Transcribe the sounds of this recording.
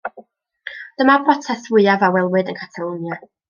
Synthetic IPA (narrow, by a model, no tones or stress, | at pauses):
d̥əmabrɔtʰɛθwɪɨavawɛlˠwɨdənkʰḁtʰalˠunja